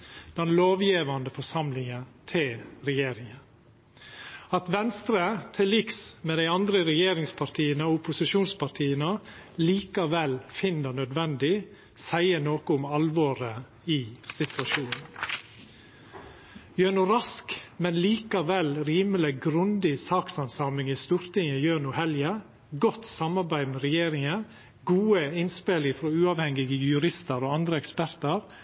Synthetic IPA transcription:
d̪̥ɛnloːʋjiːʋɑnd̪əfɔʂɑmlɪŋət̪ʰɪlɾɛjeːɾɪŋə | ɑt̪ʋɛnst̪ɾət̪ʰɪlɪksmeːd̪æɪɑnd̪ɾəɾɛjeːɾɪŋspʰɑɾʈ̪ʰiːənəoʊpʊsɪʃuːnspʰɑɾt̪ʰiːənəliːkɑʋɛlfɪnːəɳœd̪ʋɛnd̪ɪ | sæɪəɳoːkəʊmɑlʋoːɾə | ɪsɪt̪ʰʋɑʃuːnn̩ | jøːɳʊɾɑskmɛnliːkɑʋɛlɾiːməlɪɡɾʉnd̪ɪsɑːksɑnsɑːmɪŋɪst̪uːɾt̪ɪŋəjøːɳʊhɛljə | ɡɔt̪sɑmɑɾbæɪd̪mɛɾɛjeːɾɪŋə | ɡuːəɪnspeːlɪfɾɔːʉːɑʋhɛŋɪɡəjʉɾɪst̪əɾoːɑnd̪ɾəɛkspæɾt̪əɾ

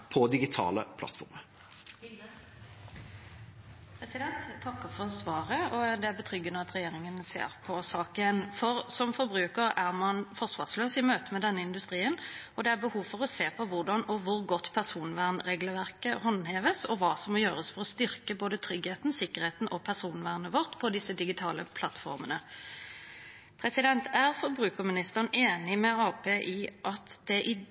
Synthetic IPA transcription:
pʰɔd̪ɪɡɪt̪ʰɑ̰ːlə̰pʰlɑ̰t̪fɔ̰ɾmə | pʰɾɛsɪd̪ɛnt̪ʰːɑkːəɾfɔsʋɑːʁəɔd̪ɛæɾbət̪ʰʁʏɡːənəɑt̪ɾɛjeːɾɪŋənsḛːʁpʰɔsɑːkənfɔʁsɔmfɔɾbɾʉːkəɾæʁmɑnfɔʁʂʋɑ̰ːʁsløːsɪmøːt̪əmɛd̪ɛnːəɪnd̪ʉst̪ʁiːənɔd̪ɛæɾbəhuːʋfɔʁɔseːpʰɔʋʊʁd̪ɑnɔʋʊɾɡɔt̪ːpʰæʁʂuːnʋæʁnʁeːɡləʋæʁkəhɔnheːʋəsɔʋɑːsɔmːɔjøːʁəsfɔʁɔst̪ʏɾkəboːd̪ət̪ʰɾʏɡheːt̪n̩sɪkːəʁheːt̪n̩ɔpʰæʁʂuːnʋæːʁnəʋɔʁt̪pʰɔd̪ɪsːəd̪ɪɡɪt̪ʰɑːləpʰlɑt̪fɔ̰ʁmənə | pʰʁɛsɪd̪ɛnt̪ʰæʁfɔɾbʁʉːkəʁmɪnɪst̪əʁnʔeːnɪmɛɑːpʰeːʔɪʔɑt̪d̪̥ɛʔɪ

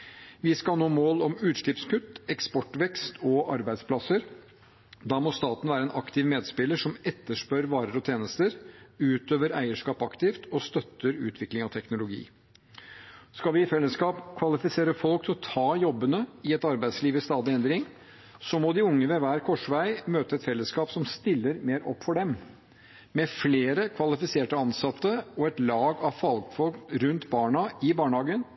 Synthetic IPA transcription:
ʋɪskɑlnoːmoːlɔmʉːt̪ʂɭɪpskʉt̪ːɛkspɔʈːʋɛkst̪ʰɔʔɑ̰ɾbæɪspʰlɑsəɾ | d̪ɑːmɔst̪ɑːt̪n̩ʋæːɾəɛnʔɑkt̪ʰɪʋmeːd̪spɪləʂɔmɛt̪ːəʂpœɾʋɑːɾəɾɔt̪ʰjeːnəst̪əɾʉːt̪øːʋəɾæ̰ɪəʂkɑːpɑkt̪ɪft̪ʰɔst̪œt̪ːəɾʉ̰ːt̪ʰʋɪklɪŋɑt̪ʰɛknʊlʊɡḭː | skɑlʋɪɪfɛlːəskɑːpkʰʋɑlɪfɪseːɾəfɔlk̚t̪ʰɪlɔt̪ʰɑːjɔbːənəɪɛt̪ɑɾbæɪd̪sliːʋəst̪ɑːd̪ɪɛnd̪ɾɪŋ | sɔmɔd̪ɪʊŋːəʋɛʋæːɾkʰɔʂʋæɪmøːt̪əɛt̪fɛlːəskɑːpsɔmst̪ɪlːəɾmeːɾɔ̰pːfɔɖɛm | mɛfleːɾəkʰʋɑlɪfɪseːʈəɑnsɑt̪ːəɔɛt̪lɑːɡɑʋfɑlɡfɔlkɾʉnt̪bɑːɳɑɪbɑːɳhɑːɡən

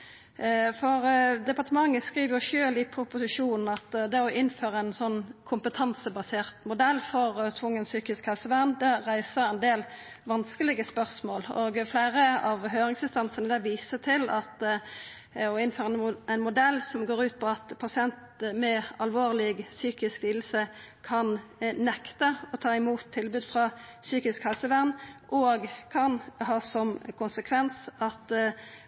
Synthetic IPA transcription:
fɔʁd̪ɛpɑʁt̪əmɑŋːəskʁiːʋəʁjʊʂøːlɪpʰɾʊpʊsɪʂuːnn̩ɑt̪d̪ɛɔʔɪnːføːʁəæɪnsɔnːkʰʊmpət̪ʰɑnsəbɑseːʁt̪mʊd̪ɛlːfɔʁt̪ʰʋʊŋːənsyːkɪskhɛlsəʋæʁnd̪ɛɾæɪsəɾɛnd̪eːl | ʋɑnskəlɪɡəspœʁsmoːloːɡfleɪɾəɑʋɦøːɾɪŋsɪnst̪ɑnsənəd̪ɛʋiːsət̪ʰɪlɑt̪ | ɔɪnføːʁɛæɪnmʊd̪ɛlːsɔmɡoːʁʉːt̪̚pʰɔɑt̪pʰɑsɪɛnt̪mɛɑlʋoːʁlɪɡsyːkɪskliːd̪l̩səkʰɑnnɛkt̪əɔt̪ʰɑːɪmuːt̪ʰːɪlbʉːd̪fʁɑsyːkɪskhɛlsəʋæʁnʔɔɡkʰɑnhɑːsɔmkʰʊnsəkʰʋɛnsɑt̪

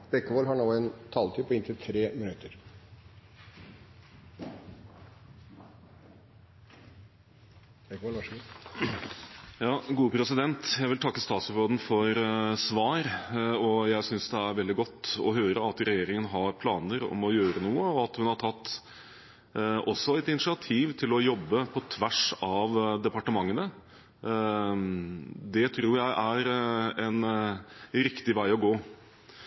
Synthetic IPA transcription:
bɛkːəʋɔlɦɑɳoːɛnt̪ʰɑːlt̪ʰiːpʰɔɪnt̪ʰɪlt̪ʰɾeːmɪnʉt̪ːəɾ | bɛkːɔlʋɑʂu | jɑːɡuːəpʰɾɛsɪd̪ɛnt̪jæɪʋɪlt̪ʰɑkːəst̪ɑːt̪sɔɾoːd̪n̩fɔɾsʋɑːɾɔjæɪsʏnsd̪ɛæɾʋɛld̪ɪɡɔt̪ːɔ̰ɦøːɾəɑt̪ɾɛjeːɾɪŋənɦɑɾpʰlɑːnəɾɔ̰mɔjøːɾənuːəɔɑt̪hʉnhɑʈʰɑt̪ː | ɔsːɔɛt̪ɪnɪʂɪɑt̪ʰiːʋt̪ʰɪlɔjɔbːəpʰɔt̪ʰʋæʂɑʋd̪ɛpɑʈəmɑŋːənə | d̪ɛt̪ʰɾuːɾjæɪʔæɾɛn | ɾɪkt̪ɪʋæɪɔɡoː

